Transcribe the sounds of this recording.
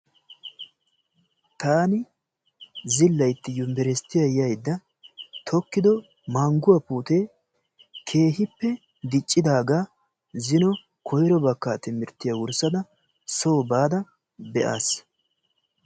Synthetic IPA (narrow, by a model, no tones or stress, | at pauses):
t̪aːnɪ | zɪlːɐjt̪ːɪjʊmbɛɾɛst̪ːɪjɐjɐjd̪ːɐ | t̪ʰɔkːɪd̪ɔ | mɐŋɡʊwɐpuːt̪eː | kʰe̞ːhɪpːɛ | d̪ɪt͡ʃʼːɪd̪aːɡa | zɪnɔ | kʰɔjɾɔbɐkːaːt̪ɪmɪɾt̪ːɪjɐwʊɾsɐd̪ɐ | so̞ːbaːd̪ɐ | bɛʔa̰ːs